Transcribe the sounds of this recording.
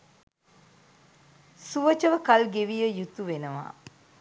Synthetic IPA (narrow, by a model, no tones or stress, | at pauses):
suʋət͡ʃəʋəkalɡeʋijəjut̪uʋenəʋa̰ː